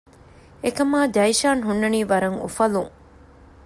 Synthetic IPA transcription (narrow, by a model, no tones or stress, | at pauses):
ekɐmaːd͡ʒɐjʃaːnɦunːɐniːʋɐɾɐŋṵfɐluŋ